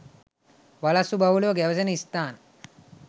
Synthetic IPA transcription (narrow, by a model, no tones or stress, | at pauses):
ʋalasubʱaʋuloɡɛʋsenist̪an